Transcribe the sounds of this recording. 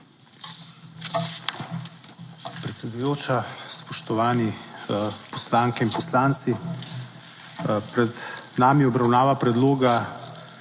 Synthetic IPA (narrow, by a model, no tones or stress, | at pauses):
pɾɛt̪sɛd̪ujoːt͡ʃaspɔʃt̪ɔʋaːni | pɔslaːŋkɛinpɔslaːnt̪si | pɾɛd̪naːmiɔbɾawnaːʋapɾɛd̪loːɡa